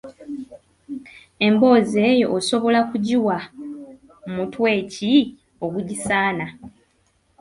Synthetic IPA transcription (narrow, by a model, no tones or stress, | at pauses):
e̞mbo̞ːze̞ːjo̞ʔːso̞βo̞lakuɟiwa | mutwe̞ːci | oβuɟisaːna